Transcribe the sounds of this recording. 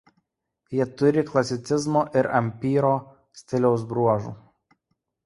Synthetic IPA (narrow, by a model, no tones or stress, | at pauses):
jiɛt̪ʊɾʲɪklˠɐsʲɪt̪sʲɪzmoːʔɪɾɐmʲpʲiːɾoː | sʲt̪ʲɪlʲɛʊs̬bɾuɔʒṵː